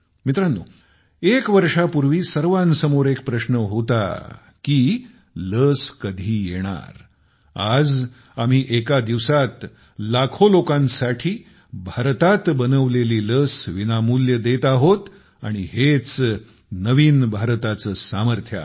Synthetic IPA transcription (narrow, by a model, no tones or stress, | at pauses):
mit̪ɾanːṵː | ekʋəɾʂapuɾʋiːsəɾʋansəmoɾek̚pɾəɕnəɦot̪a̰ | kiː | ləskəd̪ʱiːjeɽ̃a̰ɾ | a̰d͡z | am̤iːʔekad̪iʋsat̪ | lakʰolokãnsaʈʰiː | bʱaɾt̪at̪bənəʋleliːləsʋinamuljəd̪et̪aɦot̪ | a̰ɽ̃ihet͡s | nəʋiːnbʱaɾt̪at͡səːsaməɾt̪ʰja̰